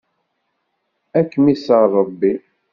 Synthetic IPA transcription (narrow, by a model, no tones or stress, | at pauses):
ækːəmisəʁrˤːɑbːi